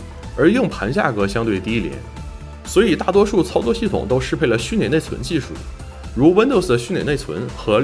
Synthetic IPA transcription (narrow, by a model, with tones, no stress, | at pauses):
ə˞˧˥jɤ˥˩ŋpʰa˧˥nt͡ɕja̰˥˩kɤ˥ɕjɑ˥ŋt̪we˥˩ɪt̪i˥ljɛ̰˧˥n | swɔ˧˥i˨˩t̪a˥˩t̪wɔ˥ʂu˥˩t͡sʰɑ˥ʊt͡swɔ˥˧ɕi˥˩t̪ʰʊ̰˨˩ŋt̪o˥ʊʂɻ̩˥pʰe˥˩ɪlə˩ɕy˥˩nljɛ˨˩ne˥˩ɪt͡sʰwə̰˧˥nt͡ɕi˥˧ʂṵ˥˩˦ | ɻu˧˥wə˥nd̪o˥˧ʊs̩˩d̪ə˩ɕy˥˩nljɛ̰˨˩ne˥˩ɪt͡sʰwə̰˧˥nxɤ˧˥